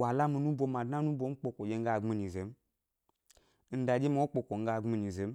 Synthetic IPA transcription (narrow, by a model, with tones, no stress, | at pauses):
wa˨la˦mi˨nu˦bo˦ma˨dna˦nu˦bo˦m̩˦k͡po˨ko˨d͡ʒe˦ŋ̩˦ɡa˦˨ɡ͡bi˦ni˨ze˨˦m˦ | n̩˨˦da˨d͡ʒe˦m˨o˦k͡po˨ko˨ŋ̩˦ɡa˦˨ɡ͡bi˦ni˨ze˨˦m˦